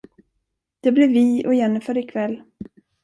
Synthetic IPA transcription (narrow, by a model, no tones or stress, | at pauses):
d̪̥ɛblɛɾvɪɔ̰jɛnːfœːɾɪkʰvɛlː